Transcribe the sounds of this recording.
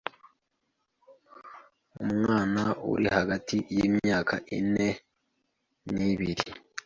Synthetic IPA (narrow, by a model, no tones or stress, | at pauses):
umŋwaːnaṵɾihaɡatʰijiːmjɲaːkʰa̰ʔḭne̞ | niβiɾi